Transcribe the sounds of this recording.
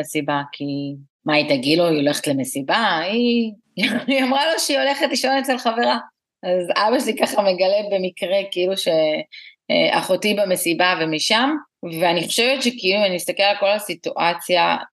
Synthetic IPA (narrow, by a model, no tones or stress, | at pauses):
sibakʰi | mait̪aɡidloio̞le̞χetle̞mesibai | iamʁalo̞ʃeio̞le̞χetliʃo̞net͡selχave̞ʁa | azabaʃelikaχame̞ɡale̞be̞mikʁekiiluʃe̞̰ | ʔa̰χotibame̞sibavemiʃamveaniχoʃevetʃekiiluanimist̪ake̞lalkolasituʔat͡sja